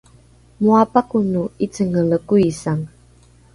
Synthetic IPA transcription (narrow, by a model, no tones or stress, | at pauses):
muapakunuit͡səŋəɭəkuisaŋ